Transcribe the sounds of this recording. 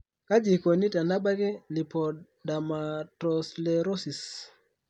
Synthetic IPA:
ka˦d͡ʒi˨ko˨ni˦ta˨na˦ba˦kɪ˦li˨pɔ˨ | da˨ma˨tɔ˨sle˨ɾo˦si˨s

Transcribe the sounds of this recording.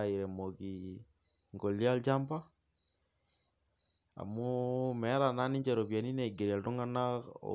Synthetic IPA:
ai˨ɾɛ˨moɣi | ŋɡɔ˨li˦a˦ld͡ʒa˦mba˦ | a̰˨mumɛ˨˦ɾa˨na˦ni˦ɲd͡ʒɛ˨ɾɔ˨βja˨ni˦nɛ˨ɡe˨ɾi˨a˨lto˦ŋa˦na̰

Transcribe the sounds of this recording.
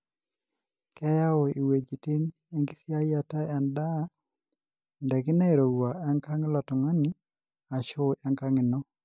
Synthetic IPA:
kɛ˦ja˦ɔ˨i˨we˨d͡ʒi˨ti˦n | e˦ŋɡi˦sja˦ja˦˨ta˦ɛ˨nda˦ | ndɛ˨kɪ˦na˦e˨ɾo˨ɡwa˨ʔɛ˦ŋka˦ŋ˦la˨tɔ˨ŋa˦ni˦ | a˨t͡ʃʊ˦ɛ˦ŋka˦ŋɪ˨nɔ˦

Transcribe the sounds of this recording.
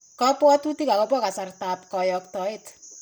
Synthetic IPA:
kɔ˦pwɔ˦tu˦ti˦ka˨kɔ˦p̬wɔ˦ka˨sa˨rtaː˨p̚kɔ˨jɔ˨ktɔ˨ɪt

